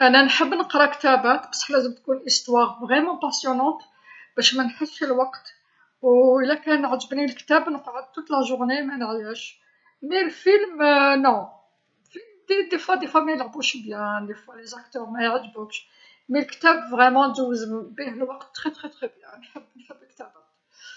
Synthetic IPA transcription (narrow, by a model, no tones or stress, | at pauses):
ʔænænħəbːnəqɾˤɑkt̪æbæt̪bɑ̥sˤːħlæzəmt̪kunʔəst̪wɑʁvʁɛmɑ̃pæsjunɑ̃t̪ | b̥æʃmænħəlːʃəlwɑqt̪ | wəlːækænəʕʒəbnilkt̪æbnəqʕəd̪̚t̪ut̪læʒʊʁnemænʕjæʃ | milfilmnɔ̃ | lfilmd̪id̪efwæd̪efwæmæjəlʕbuʃbjæ̃d̪efwælezak̚t̪œʁmæjʕəd̪buʃ | milkt̪æbvʁɛmɑ̃d̪uwzəmbiɦəlwɑqt̪ːχɛt̪χɛt̪χɛbjæ̃nħəbːnħəbːəlkt̪æbæt̪